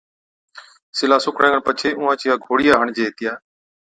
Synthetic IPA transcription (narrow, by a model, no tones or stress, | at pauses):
sɪlaːsʊkɽãːŋɡəɳpət͡ʃʰeːʊ̃ːãːt͡ʃɪjaːɡʱoːɽijaːɦəɳd͡ʒeːt̪ɪjaː